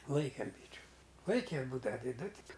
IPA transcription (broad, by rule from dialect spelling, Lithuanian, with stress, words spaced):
ˈlˠɐɪkʲeːm ˈbʲiːt͡ʃʲʊ ˈlˠɐɪkʲɛ ˈbuːdɐʋɐ tʲɪ ˈdʊ ˈtʲɪk